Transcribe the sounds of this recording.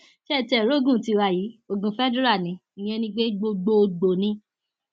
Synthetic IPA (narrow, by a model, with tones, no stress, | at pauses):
ʃɛ˦˨tɛ˨ɾo˦˨ɡũ˦˨ti˧wa˧˨ji˨˦o˨ɡũ˨fɛ˦de˦ɾa˦˨nĩ˨˦ | i˨j̃ɛ̃˧nĩ˧ɡ͡be˦ɡ͡bo˧ɡ͡bo˧ɡ͡bo˨nĩ˧˦